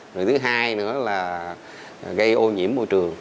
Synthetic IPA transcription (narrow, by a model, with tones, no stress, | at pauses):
zo˨˩jt̪ʰɨ˨˦ɦaː˧jnɨ̰˧˥əlaː˨˩ | ɣə˧jʔo˧ɲḭ˧˥əmːo̰˧˩jt͡ɕɨ˨˩əŋ